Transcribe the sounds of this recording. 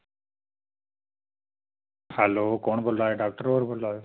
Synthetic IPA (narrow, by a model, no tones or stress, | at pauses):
hɛloːkoːɳ̃bʱolaːeɖaːk̚ʈəɾoəɾbʱʊlaːjo